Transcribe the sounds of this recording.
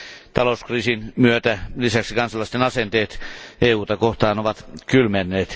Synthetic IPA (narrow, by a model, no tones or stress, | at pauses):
t̪ɑlouskriːsinmyøt̪ælisæksikɑnsɑlːɑst̪enɑsent̪eːt̪ʔeːuːt̪ɑkoht̪ɑːnoʋɑt̪kylmenːeːt̪